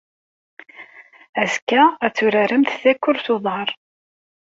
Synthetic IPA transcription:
æzkːææt͡sːʊɾaɾəmθθækːʊɾθʊðˤɑɾˤ

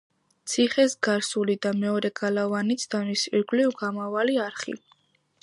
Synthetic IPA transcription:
t̪sʰiχɛsɡaɾsulid̪amɛɔɾɛɡalavanit̪sʰd̪̥amisiɾɡlivɡamavaliaɾχḭ

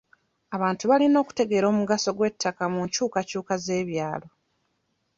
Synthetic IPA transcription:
aβaːntuβalino̞ːku̥te̞ɡe̞ɾo̞ːmuɡaso̞ɡwe̞tʰːakamuɲcuːkacuːkaze̞ːβjaːlo̞

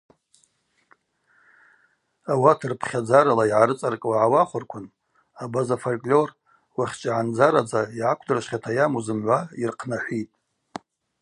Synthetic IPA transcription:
awatʰɨrpʰχʲad͡zaɾalaiʕaɾɨt͡sʼarkʼwaʕawaχʷʊrkʷʰʊn | abazafolkʼlʲor | waχʲt͡ʃʼaʕand͡zaɾad͡zaiʕakʷʰdɨrʃʷχʲatʰajamuzɨmʕʷairqʰnaħʷitʼ

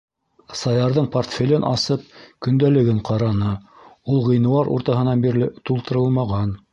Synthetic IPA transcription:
sɑjɑɾðɤɴport̪fʲelʲɘnʔɑ̰sɤp̚kɵ̆nd̪ælɘ̆ɡɘɴqʰɑɾɑnɤ | ulˠʁɤ̆jnɤ̆wɑɾṵɾt̪ɑɦɤ̆nɑnbiɾlɘt̪ulˠt̪ɤ̆ɾɤlˠmɑʁɑn

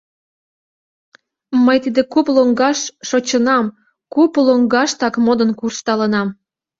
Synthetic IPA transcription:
məjt̪id̪ekuploŋɡɑʃːot͡ɕənɑm | kuploŋɡɑʃt̪ɑkmod̪ənkurʃt̪ɑlənɑm

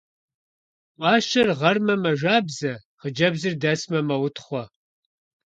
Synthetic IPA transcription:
wɑːʃɐrʁɐrmɐmɐʒaːbzɐχəd͡ʒɐbzɨrdɐsmɐmɐwʊtʰχʷɔ

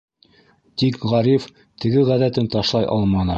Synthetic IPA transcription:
t̪ikʁɑɾif | t̪ɘ̆ɡɘʁæðæt̪ɘnt̪ɑʃlˠɑjʔɑ̰lˠmɑnɤ

